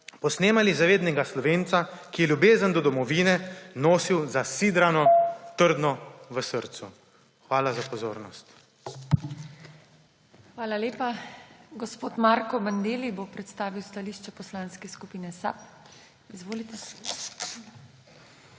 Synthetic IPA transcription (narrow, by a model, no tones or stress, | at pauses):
pɔsneːmalizaʋeːd̪nɛɡaslɔʋeːnt̪sakijɛlʲjubeːzənd̪ɔd̪ɔmɔʋiːnɛnoːsiwzasid̪ɾanɔt̪əɾd̪nɔʋəsəɾt̪su | xʋaːlazapɔzoːɾnɔst̪ | xʋaːlaleːpaɡɔspoːt̪maːɾkɔband̪eːlibopɾɛt̪st̪aːʋiwst̪aliːʃt͡ʃɛpɔslaːnskɛskupiːnɛsa̰p | izʋoːlit̪ɛ